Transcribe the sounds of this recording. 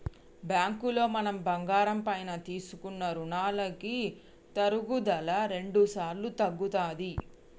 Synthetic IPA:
bjaːŋkulo̞ːmɐnɐmbɐŋɡaːɾɐmpɐjnɐt̪iːsukunːɐɾuɳaːlɐki | t̪ɐɾuɡud̪ɐlɐɾe̞ɳɖusaːɾlut̪ɐɡːut̪aːd̪i

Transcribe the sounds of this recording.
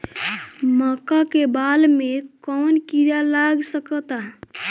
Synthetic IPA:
məkakebalmekɔnkiɾalaɡsəkət̪a

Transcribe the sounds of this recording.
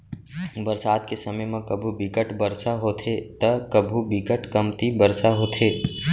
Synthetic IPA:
bəɾsaːd̪̚kesəməjmãkəbʱubɪkəʈbəɾsaɦoːt̪ʰet̪əkəbʱubɪkəʈkəmt̪ibəɾsaɦoːt̪ʰeː

